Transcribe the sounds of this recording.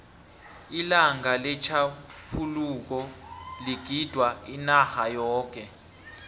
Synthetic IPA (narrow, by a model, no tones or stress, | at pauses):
ilaŋalɛt͡ʃʰapʰuluk̬ɔliɡ̥ʱid̥ʱwainahajɔːk̬ʼɛ